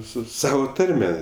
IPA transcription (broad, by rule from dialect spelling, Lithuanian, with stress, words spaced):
ˈsʊ ˈsɑːʋoː ˈtɐrʲmʲɛ